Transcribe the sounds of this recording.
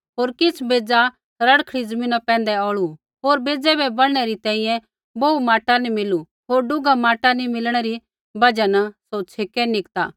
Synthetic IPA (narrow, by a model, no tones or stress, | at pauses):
ɦoːɾkɪt͡sʰbeːd͡za | ɾɐɽkʰɽid͡zɐmĩːnapɛ̃ːnd̪ɛɔːɭu | ɦoːɾbeːd͡zɛbʱɛbɐɽɽ̃ɛɾit̪ɛ̃ːĩjɛ̃ | boːumaːʈanimɪlu | ɦoːɾɖʊɡamaːʈanimɪlɽ̃ɛɾi | bɐd͡ʒanɐsoːt͡ʃʰeːkɛnɪkt̪a̰ː